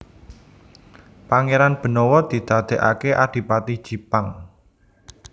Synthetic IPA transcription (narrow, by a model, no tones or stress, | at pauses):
paŋeɾanb̥ə̤nɔwɔd̪̥i̤d̪̥a̤d̪̥ɛ̤ʔa̰keʔad̪̥i̤pat̪id̥ʒ̥i̤paŋ